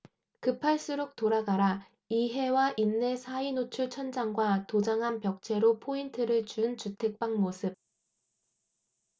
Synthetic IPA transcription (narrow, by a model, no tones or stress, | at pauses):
kɯpʰaɭs͈uɾok̚t͈oɾaɡaɾa | iɦe̞waʔinːe̞sʰainot͡ɕʰuɭt͡ɕʰʌnd͡ʑaŋɡwatod͡ʑaŋɦanpjʌk̚t͡ɕʰe̞ɾopʰointʰɯɾɯɭt͡ɕunt͡ɕutʰe̞k̚p͈aŋmosʰɯb̚